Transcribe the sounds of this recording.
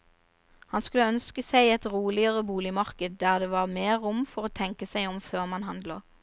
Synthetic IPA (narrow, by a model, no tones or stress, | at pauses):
hɑnskʉləœnskəsæɪɛt̪ʁuːlɪəʁəbuːlɪmɑʁkəd̪̚d̪æːʁd̪eːʋɑʁmeːʁʊmfɔʁoːt̪ʰɛŋkəsæɪɔmføːʁmɑnɦɑnd̪ləʁ